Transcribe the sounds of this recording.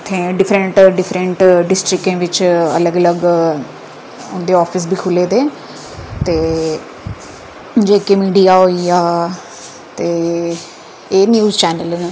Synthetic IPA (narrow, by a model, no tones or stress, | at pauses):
t̪ẽːɖɪpʰɾəɳʈɖɪfʰɾə̃ɳʈɖɪsʈɾɪkːẽːʋɪt͡ʃə̰ləɡələɡ | ʊnd̪eːɔːpʰɪs̬bʱiːkʰʊleːd̪eː | t̪eː | d͡ʒeːkemiːɖijaːɦoːiaː | t̪eː | eːnjuːzt͡ʃɛːnəlne